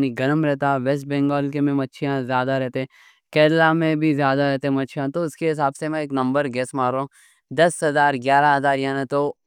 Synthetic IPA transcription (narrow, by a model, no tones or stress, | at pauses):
niɡɐɾmɾɛɦt̪aʋesʈ̚bɛ̃ːŋɡɔːlkemẽmɐtːʃʰijãzjaːd̪aɾɛɦt̪eɦɛ̃ | kɛːɾlamẽbʱizjaːd̪aɾɛɦt̪eɦɛ̃mɐtːʃʰjãt̪oʊskeɦɪs̬aːbsemẽeːknɐ̃mbəɾɡɛːsmaːɾo | d̪ɐsɦɐzaːɾɡjaːɾaɦɐzaːɾjaːnẽt̪o